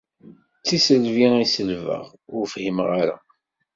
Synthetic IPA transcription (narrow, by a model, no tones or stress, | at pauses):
t͡sːisəlviæsəlvə̰ʁ | ʊɾfhimʁaɾa̰